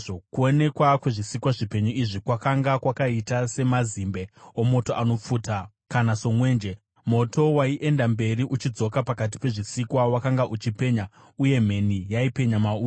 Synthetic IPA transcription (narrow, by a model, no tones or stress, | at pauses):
okuo̞ne̞kwakwe̞ʐisikwaʐipe̞ɲuiʐikwakaŋɡakwakaitase̞mazimbe̞omo̞toʔanop͡fuːta | kanaso̞mwe̞ːnd͡ʒe̞ | mo̞to̞waiʔe̞ndambe̞riʔut͡ʃid͡zo̞kapakat̬i̥pe̞ʐisikwawakaŋɡaʔut͡ʃipe̞ɲa | uje̞me̞nijaipe̞ɲamauː